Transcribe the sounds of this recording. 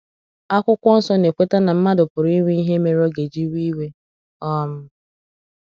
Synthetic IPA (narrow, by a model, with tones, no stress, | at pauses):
a˦kʷʊ˦kʷɔ˦n̩˦sɔ˦ne˨kʷe˦ta˦na˨m̩˦ma˦dʊ˨pʊ˨ɾi˦ŋʷi˦i˦ɦe˦me˦ɾɔ˦ɡe˨d͡ʒi˦wi˦we˦ | ɔ˦m̩˦